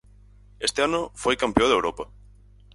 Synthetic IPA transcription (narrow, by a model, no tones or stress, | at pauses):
est̪eanʊfojkampeoðewɾopɐ